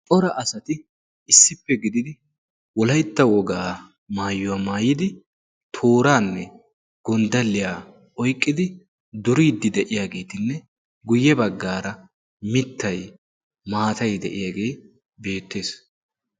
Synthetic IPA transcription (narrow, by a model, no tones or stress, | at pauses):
t̪ʼɔɾɐʔɐsɐt̪ɪ | ɪsːɪpːɛɡɪd̪ɪd̪ɪ | wɔlɐjt̪ːɐwɔɡaː | maːjːʊwaːmaːjɪd̪ɪ | t̪ʰo̞ːɾaːnːɛ | ɡ̥ɔnd̪ɐlːɪjaː | ʔɔjkʼːɪd̪ɪ | d̪ʊɾiːd̪ːɪd̪ɛʔɪjaːɡe̞ːt̪ɪnːɛ | ɡʊjːɛbɐɡːaːɾɐ | mɪt̪ːɐj | maːt̪ɐjd̪ɛ̰ʔɪjaːɡe̞ː | be̞ːt̪ːe̞ːs